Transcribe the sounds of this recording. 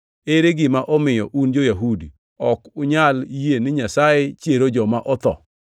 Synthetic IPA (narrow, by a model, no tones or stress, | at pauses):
eɾeɡɪmaʔɔmɪjɔʔund͡ʒojaɦudi | ɔkʊɲaljenɪɲasajet͡ʃjeɾod͡ʒɔmaʔɔt̪ɔ̰